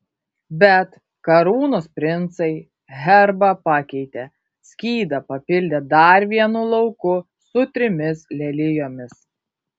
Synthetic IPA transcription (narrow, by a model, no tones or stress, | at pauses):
bʲɛt̪ | kɐɾuːnoːspʲɾʲɪnt̪sɐɪ | ɦʲɛɾbɐpɑkʲɛɪt̪ʲe | sʲkʲiːd̪ɐpɐpʲɪlʲd̪ʲed̪ɐɾʋʲiɛnʊlˠɐʊkʊ | sʊt̪ʲɾʲɪmʲɪslʲɛlʲɪjoːmʲɪs